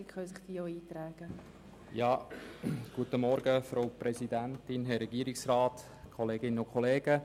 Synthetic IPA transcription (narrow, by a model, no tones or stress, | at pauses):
ikχœnsɪχd̥̪iːoiːt̪ɾæːɡ̥ə | jɑː | ɡ̥uətəmɔɾɡəfɾoʊpɾɛsid̪æntɪnɦɛɾːɛɡiːɾiksrɑːt̪ | kʰχɔleːɡɪnəʊkʰɔleːɡ̥ə